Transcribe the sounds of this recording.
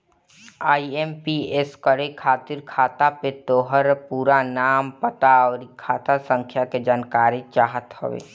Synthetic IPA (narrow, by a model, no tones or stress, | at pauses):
aːiempieskəɾekʰaːt̪ɪɾkʰaːt̪apet̪oːɦəɾpuːɾanaːmpət̪aɔːɾikʰaːt̪asə̃ŋkʰjaked͡ʒaːnkaːɾet͡ʃaːɦət̪ho̰ʋḛː